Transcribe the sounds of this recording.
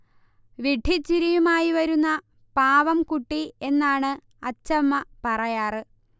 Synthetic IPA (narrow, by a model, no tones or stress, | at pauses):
ʋiɖʱit͡ɕːiɾijumaːjiʋɐɾunːɐ | paːʋɐmkuʈːie̞nːaːɳɨ | ɐt͡ɕːɐmːɐpɐrɐjaːrɨ